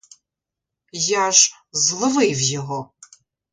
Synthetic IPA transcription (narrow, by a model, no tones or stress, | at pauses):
jaʐ | zlˠɨvɨjvjɛɣɔ